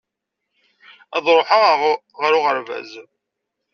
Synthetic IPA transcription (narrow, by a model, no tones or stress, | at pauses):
æðˤɾˤoħa | ʁɾʊʁəɾvæ̰z